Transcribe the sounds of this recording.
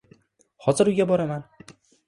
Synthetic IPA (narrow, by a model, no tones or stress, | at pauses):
hɒzɨɾujɡʲabɒɾamæn